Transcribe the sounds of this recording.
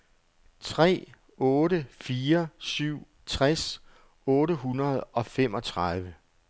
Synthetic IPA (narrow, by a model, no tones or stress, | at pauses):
t͡sʰʁɛ̰ː | ɔːɾəfiːɐsyʊ̰ | t͡sʰʁas | ɔːɾəɦunɐð̞ˠɒ̽fem̰ʔɒ̽t͡sʰʁað̞ˠʋə